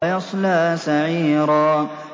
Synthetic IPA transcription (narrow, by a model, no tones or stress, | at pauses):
jɑsˤlaːsaʕiːɾaː